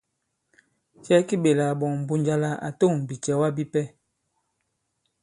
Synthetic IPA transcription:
t͡ʃɛ˦ki˦ɓe˨la˨bɔ˨ŋm̩˨bu˦ɲd͡ʒa˦la˦ʔa̰˨to˦˨ŋ˨bi˨t͡ʃɛ˨˦wa˦bi˦pɛ˦

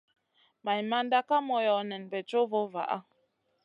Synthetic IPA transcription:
ma˨jma˦nda˦ka˦mɔ˨jɔ˨nɛ˨nbɛ˨t͡ʃo˦vo˦va̰˨ʔa̰˦

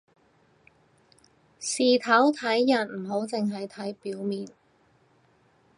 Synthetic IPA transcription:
siː˨t̪ʰɐ˨˥wt̪ʰɐ˨˥jːɐ˨˩nm̩˨˩ɦo˨˥wt͡sɪ˨ŋɦɐ˨jt̪ʰɐ˨˥jpiː˨˥wmiː˨n

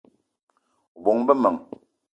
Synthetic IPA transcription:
u˨bɔ˨ŋbɛ˦mə˨ŋ

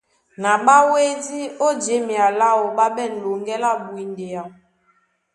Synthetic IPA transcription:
na˨ɓa˦we˦di˦o˦d͡ʒe˨˦mi˨a˨la˦wo˨ɓa˦ɓɛ˦˨n̩˨lo˨ŋɡɛ˦la˦bu˨i˨nde˨a˨

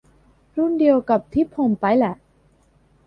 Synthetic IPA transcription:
ɾu˥˩ndi˧əwka˨˩p̚t̪ʰi˦˥pʰo˧˩mpa˧jlɛ˨˩ʔ

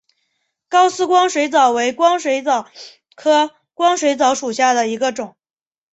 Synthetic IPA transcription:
kɑ˥ʊsɹ̩˥kwɑ˥ŋʂwe˧˥ɪt͡sɑ˨˩ʊwe˧˥ɪkwɑ˥ŋʂwe˧˥ɪt͡sɑ˨˩ | kʰɤ˥ | kwɑ˥ŋʂwe˧˥ɪt͡sɑ˧˥ʊʂu˨˩ɕja˥˩d̪ə˩i˧˥ɡə˧ʈ͡ʂʊ˨˩˦ŋ

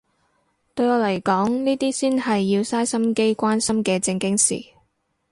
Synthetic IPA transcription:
t̪ɵ˧ɥɔː˨˧lɐ˨˩jkɔː˨˥ŋniː˥t̪iː˥siː˥nɦɐ˨jːiː˧wsaː˥jsɐ˥mke˥jkʷaː˥nsɐ˥mkɛː˧t͡sɪ˧ŋkɪ˥ŋsḭː˨

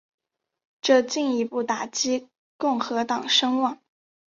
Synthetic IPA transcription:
ʈ͡ʂɤ˥˧t͡ɕi˥˩ŋi˧˥pu˥˩t̪a˨˩t͡ɕi˥ | kʊ˥˩ŋxɤ˧˥t̪ɑ˨˩ŋʂɤ˥ŋwɑ˥˩ŋ

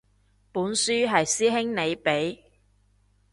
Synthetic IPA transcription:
puː˨˥nsyː˥ɦɐ˨jsiː˥ɦɪ˥ŋne˨˧jpe˨˥j

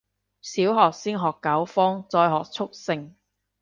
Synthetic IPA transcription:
siː˨˥wɦɔː˨k̚siː˥nɦɔː˨kːɐ˨˥wfɔː˥ŋt͡sɔː˧jɦɔː˨k̚t͡sʰʊ˥k̚sɪ˧˥ŋ

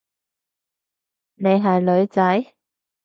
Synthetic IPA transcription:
ne˨˧jɦɐ˨jlɵ˨˧ɥt͡sɐ˨˥j

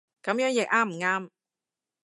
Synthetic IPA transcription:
kɐ˨˥mjœː˨˥ŋjɪ˨k̚ʔaː˥m̩˨˩ŋaː˥m

